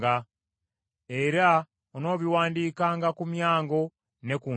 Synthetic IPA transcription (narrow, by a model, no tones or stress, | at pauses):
a | e̞ɾa | ono̞ːβiwaːndiːkaːŋɡakumjaːŋɡo̞ | ne̞kuː